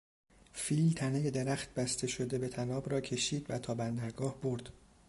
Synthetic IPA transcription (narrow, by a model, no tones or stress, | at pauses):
fiːlt̪ʰæneje̞d̪eɾæxt̪̚bæst̪ʰe̞ʃo̞d̪e̞be̞t̪ʰænɒːbɾɒːcʰe̞ʃiːd̪væt̪ʰɒːbænd̪æɾɡɒːhbo̞ɾd̪̥